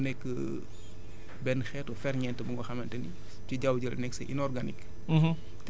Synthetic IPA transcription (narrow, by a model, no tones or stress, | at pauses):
nɛkːə | bɛnxɛtɔfɛɾɲɛntəbuŋɡɔxɐmɐntɐni | tiɟawɟəlnɛksɛ̰ʔḭnɔrɡanik̩ː | t